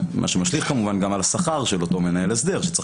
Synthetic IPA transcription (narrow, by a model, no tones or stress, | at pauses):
mʔa̰ʃemaʃliχkamuvanɡamalasaχaʁʃelo̞to̞me̞naelesd̪e̞ʁʃet͡s